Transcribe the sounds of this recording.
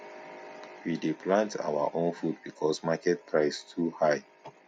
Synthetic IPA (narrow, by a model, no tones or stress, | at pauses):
widepʰlãntʰa̰wa̰ʔõnfudbikʰɔsmakɛt̚pʰɹaɪstʰuhaɪ